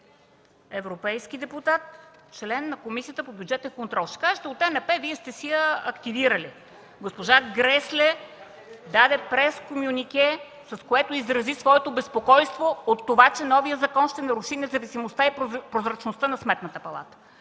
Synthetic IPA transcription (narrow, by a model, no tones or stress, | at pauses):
ɛvɾopɛjsk̟id̪ɛput̪at̪t͡ʃlɛnːɐkomisijət̪əpobʲjudd͡ʒɛt̪ɛnkont̪ɾɔlˠʃt̪ɛ̥kaʒɛt̪ɛot̪ɛnɛpɛviɛst̪ɛsiəɐkt̪iviɾəli | ɡospoʒaɡɾɛslɛ | d̪ad̪ɛpɾɛskomjunʲikʲɛ | sɐskoɛt̪oizɾɐzisvɔɛt̪obɛspokɔjst̪voot̪ːovat͡ʃɛnɔvijəzɐkɔnʃt̪ɛnɐɾuʃinɛzɐvisimost̪aipɾozɾɐt͡ʃnost̪ənɐsmɛt̪nət̪əpɐlˠa̰t̪ə̥